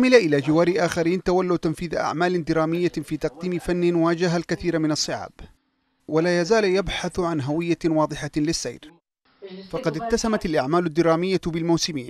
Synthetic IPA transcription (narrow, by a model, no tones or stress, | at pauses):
mɪlaʔɪlaːd͡ʒɪwaːɾɪʔaːxaɾiːnt̪awalːawt̪amfiːðʔa̰ʕmaːlɪnd̪ɪɾaːmɪjːafiːt̪ɑq̚d̪iːmɪfanːɪnwaːd͡ʒaɦalkaθiːɾmɪnɑsˤːɨʕa̰ːb | walaːjazaːljabħaθʕanɦawɪjːawɑːðˤɨħalɪsːa̰jɾ | fɑqɑd̪ɪkt̪ːasamat̪alʔaʕmaːlʊad̪ːɪɾˤaːmɪjːabɪlmawsɪmiːn